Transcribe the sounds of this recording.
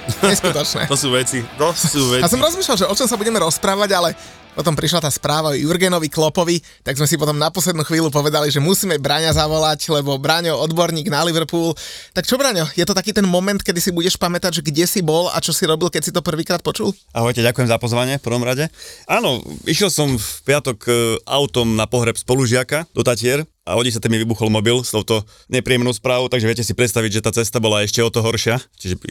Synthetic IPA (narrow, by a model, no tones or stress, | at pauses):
ɲɛskut̪ɔt͡ʃnɛ̰ːt̪ɔsuːʋɛt͡sit̪ɔsuːʋɛjas̬ɔmɾɔzmiːʃlalʒɛɔt͡ʃɔmsabuɟɛmɛɾɔspɾaːʋaɟalɛ | pɔt̪ɔmpɾiʃ̬lat̪aːspɾaːʋaɔjuɾɡɛnɔʋiklɔpɔʋi | t̪aɡzmɛsip̬ɔt̪ɔmnapɔslɛd̪nuːxʋiːlup̬ɔʋɛd̪aliʒɛmusiːmɛbɾaɲazaʋɔlaclɛbɔbɾaɲɔɔd̪bɔɾɲiːɡnaliʋɾpuːlt̪akt͡ʃɔbɾaɲɔjɛt̪ɔt̪akiːt̪ɛnmɔmɛnt̪kɛd̪isibuɟɛʃpamɛt̪aɟʒɛɡɟɛsibɔla̰t͡ʃɔsiɾɔbilkɛcsit̪ɔpr̩ʋiːkɾaːt̪̚pɔt͡ʃul | aɦɔjcɛɟakujɛmzapɔzʋaɲɪɛfpr̩ʋɔmɾaɟɛaːnɔiʃjɛlsɔmfpɪat̪ɔka̰ʊt̪ɔmnapɔɦɾɛpspɔluʒɪakad̪ɔt̪acɪɛɾ | ʔa̰ɦɔɟis̬at̪ɛmiʋibuxɔlmɔbilsɔʊt̪ɔ | ɲɛpɾiːɛmnɔʊspɾaːʋoʊt̪aɡʒɛʋɪɛcɛsipɾɛt̪st̪aʋiɟʒɛt̪aːt͡sɛst̪abɔlaɛʃcɛɔt̪ɔɦɔɾʃɪat͡ʃiʒɛ